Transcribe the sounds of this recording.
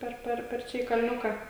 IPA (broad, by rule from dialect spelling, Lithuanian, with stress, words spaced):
ˈpʲɛr ˈpʲɛr pʲɛr ˈt͡ʃʲɛ iː kɐlʲˈnʲʊkɑː